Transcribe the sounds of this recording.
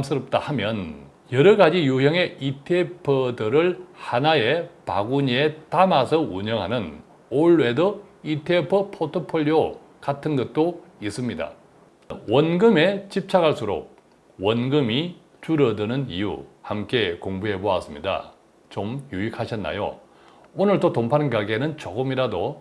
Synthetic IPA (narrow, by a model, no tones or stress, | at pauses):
ms͈ɯɾʌp̚t͈ahamjʌn | jʌɾʌɡad͡ʑijuɦjʌŋe̞ʔitʰepʰɯdɯɾɯɭhanae̞pa̰ɡuɲie̞tamasʰʌuɲʌŋɦanɯn | oɭːe̞dʌitʰepʰɯpʰotʰopʰoʎːio | katʰɯnɡʌt̚t͈ois͈ɯmɲida̰ | wʌnɡɯme̞t͡ɕip̚t͡ɕʰaɡaɭs͈uɾo̰k̚ | wʌnɡɯmi | t͡ɕuɾʌdɯnɯnijṵhamk͈e̞koŋbue̞boa̰s͈ɯmɲida̰ | t͡ɕomjuikʰaɕʰʌnːa̰jo̰ | onɯɭtotompʰanɡaɡe̞nɯnt͡ɕʌɡɯmiɾado